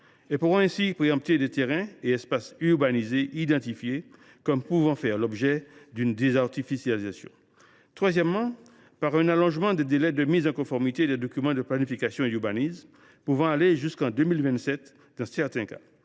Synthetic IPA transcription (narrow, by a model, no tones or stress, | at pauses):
ɛpuʁɔ̃ɛ̃sipχeɑ̃p̚t̪ed̪ɛt̪eʁɛ̃eɛspasyʁbanizeʔid̪ɑ̃t̪ifje | kɔmpuvɑ̃fɛʁlɔbʒɛd̪ynd̪ezaʁt̪ifisjalizasjɔ̰̃ | t̪χwazjɛmːɑ̃ | paʁɛ̃nalɔ̃ʒmɑ̃d̪ɛd̪elɛd̪əmizɑ̃kɔ̃fɔʁmit̪ed̪ɛd̪ɔkʲymɑ̃d̪əplanifikasjɔ̃ed̪yʁbaniz | puvɑ̃aleʒyskɑ̃d̪ømilvɛ̃nt̪sɛt̪ | d̪ɑ̃sɛʁt̪ɛ̃ka̰